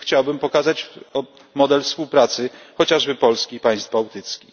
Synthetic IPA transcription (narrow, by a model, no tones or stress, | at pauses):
xt͡ɕawbɘmpɔkazat͡ɕ | mɔd̪ɛlfspuwpɾat̪sɘxɔt͡ɕaʐbɘpɔlskʲipaj̃st̪bawt̪ɘt̪skʲix